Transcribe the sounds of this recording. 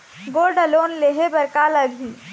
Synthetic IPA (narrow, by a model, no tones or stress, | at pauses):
ɡoːɾɖəloːnleɦebəɾkaləɡʱiː